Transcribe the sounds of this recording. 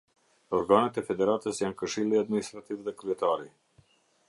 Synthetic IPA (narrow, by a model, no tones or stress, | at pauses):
ɔɾɡanət̪ɛfɛd̪ɛɾat̪əsjankəʃilˠiad̪minist̪ɾat̪ivðɛkɾyɛt̪aɾi